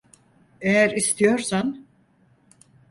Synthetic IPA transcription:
ejæɾist̪ʰijo̞ɾsan

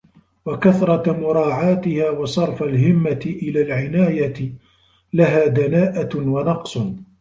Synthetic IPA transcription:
wakaθɾˤɑmʊɾˤɑːʕaːt̪ɪhaːwɑsˤɑɾˤfalɦɪmːat̪ɪʔɪlaːlʕɪnaːjat̪ | laɦaːd̪anaːʔawɑnɑqsˤ

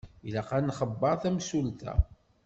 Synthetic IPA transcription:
ilæqænχəbːɑɾˤθæmsult̪æ̰

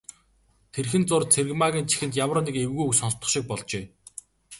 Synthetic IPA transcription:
t̪ʰerxɘ̆nt͡sʊrt͡sʰer̆ɣmaɣʲiːnt͡ɕʰi̥xɘ̆nt̪jamrə̆nikewɣujuksɔnst̪ɞ̆χʃik̚pɔɮt͡ɕeː

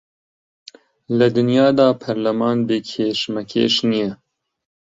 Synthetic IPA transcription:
lɐd̪ɨnjɑːd̪ɑːpʰɛɾlɐmɑːnbekʰeːʃmɛkʰḛːʃnijɛ

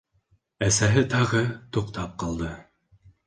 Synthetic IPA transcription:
æsæɦɘt̪ɑʁɤt̪uqt̪ɑp̚qɑlˠd̪ɤ

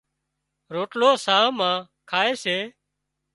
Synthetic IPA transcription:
ɾoːʈloːsãːmãː | kʰaːeːseː

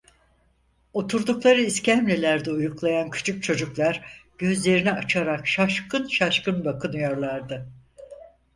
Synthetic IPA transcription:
o̞t̪ʰuɾd̪uklˠaɾɯiscæmlʲelʲæɾd̪ɛujuklˠajancʰy̥t͡ʃʰuk̚t͡ʃʰo̞d͡ʒuklˠaɾɟ̥ø̞zlʲe̞ɾinɛat͡ʃʰaɾakʃaʃkʰɯnʃaʃkɯnbakʰɯnɯjo̞ɾlˠaɾd̪ɯ

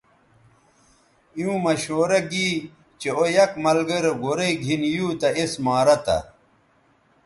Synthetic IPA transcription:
jũːmɐɕoːɾɐɡi | t͡ɕeojɐkmɐlɡɐɾeɡoɾeiɡʱinjuːt̪ɐesmaːɾɐt̪ɐ̰

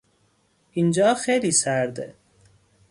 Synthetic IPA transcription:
ind͡ʒɒːxejliːsæɾd̪ḛ

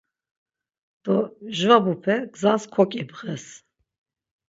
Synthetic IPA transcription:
d̪̥ɔʒvabupʰɛɡzanskʰɔkʼibʁɛs

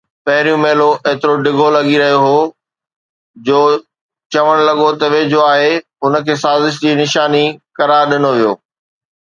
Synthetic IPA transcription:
pɐɦɪɾijũmeːloʔeːt̪ɪɾoɖɪɡʱolɐɠiɾɐɦijoɦo | d͡ʑoː | t͡ɕɐʋəɽ̃lɐɠot̪ɐʋed͡ʑoːaːɦe | ʊnə̆kʰeːsaːzɪʃ̬d͡ʑiːnɪʃaːnikɐɾaːɾɗɪnoʋijo̰ː

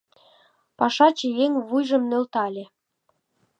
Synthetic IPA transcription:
pɑʃɑt͡ɕĕjeŋʲβujʒə̆mnølt̪ɑlʲĕ

